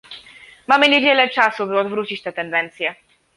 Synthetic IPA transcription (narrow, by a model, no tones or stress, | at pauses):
mamɘɲevʲjɛlɛt͡ʂasubɘɔd̪vɾut͡ɕit͡ɕt̪ɛt̪ɛnd̪ɛnt̪sʲjɛ